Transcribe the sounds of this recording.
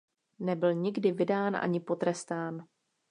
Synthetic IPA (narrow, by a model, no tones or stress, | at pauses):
nɛbɪlɲɪɡdɪvɪdaːnʔa̰ɲɪpo̞t̪ɾɛst̪aːn